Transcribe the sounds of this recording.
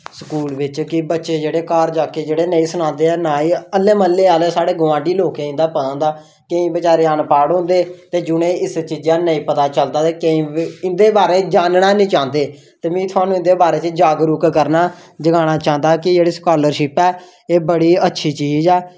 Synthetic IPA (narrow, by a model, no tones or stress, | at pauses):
səkuːlʋɪt͡ʃkɪbətːʃeːd͡ʒeːɽeːkaːɾd͡ʒaːkeːd͡ʒeːɽeːnəĩːsʊnãːnd̪eːɛːnaːĩːəlːeːməlːeːaːleːsaːɽeːɡʊʋãːɖiːloːkẽːɪ̃nd̪aːpəd̪ãːnd̪aː | kəĩːbət͡ʃaːɾeːənpaːɽɦʊ̃ːnd̪eːt̪eːd͡ʒʊnẽːɪst͡ʃiːd͡ʒãːnəĩːpət̪aːt͡ʃəld̪aːt̪eːkəĩːɪnd̪eːbaːɾeːd͡ʒaːnnaːnĩːt͡ʃãːnd̪eː | t̪eːmĩːt̪ʰʊaːnũːɪ̃nd̪eːbaːɾeːt͡ʃəd͡ʒaːɡɾʊkkəɾnaː | d͡ʒəɡãːɽ̃aːt͡ʃãːnd̪aːkɪd͡ʒeːɽiːskaːləɾʃɪpɛː | eːbəɽiːətːʃʰiːt͡ʃiːd͡ʒɛː